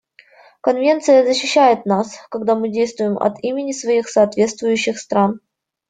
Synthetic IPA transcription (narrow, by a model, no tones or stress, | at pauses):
kənvʲe̞nt̪sɨjəzəɕːɪɕːæjɪt̪̚naskɐɡd̪amɨdʲejst̪vʊjɪmɐ̰t̪imʲɪnʲɪsvɐixsɐːt̪vʲe̞t̪st̪vʊjʉɕːɪxst̪ɾan